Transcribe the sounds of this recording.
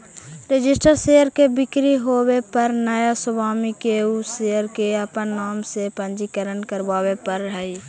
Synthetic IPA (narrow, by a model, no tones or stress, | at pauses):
ɾɪd͡ʒɪsʈəɾseːjəɾkebɪkɾiɦoːwepɐɾnəjasʊbʱaːmikeusejəɾkeɐpənːaːmsepə̃nd͡ʒikəɾənkəɾbaːwepəɾɦɛi